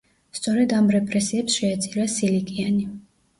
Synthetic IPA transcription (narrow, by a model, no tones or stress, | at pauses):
st̪sʼɔɾɛd̪amɾɛpʼɾɛsiɛpsʃɛat̪sʼiɾasilikʼiani